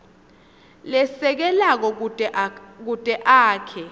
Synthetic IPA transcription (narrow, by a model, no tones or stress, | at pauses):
lɛsɛk̬ɛlak̬ɔ | k̬utʼɛʔaːkʰɛ